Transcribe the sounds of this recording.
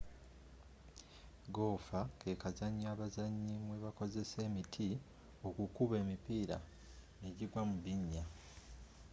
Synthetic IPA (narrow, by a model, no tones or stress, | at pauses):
ɡo̞ːfake̞kazaɲːaːβazaɲːimwe̞βako̞ze̞se̞ːmitʰi | o̞kukuβe̞ːmipiːɾa̰ | eɟiɡwamuβiɲːa